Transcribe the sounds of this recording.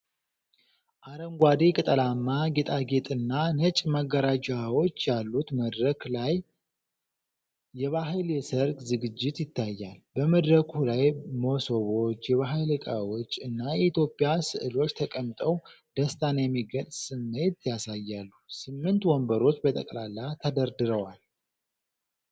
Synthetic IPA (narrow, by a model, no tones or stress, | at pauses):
ʔaɾəŋɡʷwad̪ekʼɨt̪ʼəlamːaɡet̪ʼaɡe̞t̪ʼɨnːanət͡ʃʼmaɡːəɾad͡ʒawo̞t͡ʃːjalːut̪məd̪ɾəklaj | ɛβaɦɨljɛsəɾkʼzɨɡɨd͡ʒːɪt̪jɪt̪ʰːajːalbəməd̪ɾəkʰulajmosoβo̞t͡ʃːjɛβaɦɨlɨkʼawot͡ʃːɨnːajɛit̪jo̞pʼːjasɨʔɨlo̞t͡ʃːt̪ʰəkʼəmt̪ʼəw | d̪̥əst̪ʰanjɛmːiɡənʼsɨmːe̞t̪jasajːalːusɨmːɨnt̪wɔmbəɾo̞t͡ʃːbət̪ʼə̰kʼlalːat̪ʰəd̪əɾd̪ɨɾəwal